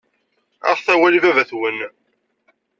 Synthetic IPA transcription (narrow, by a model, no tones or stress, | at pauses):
a̰ʁθæwælivævæθwən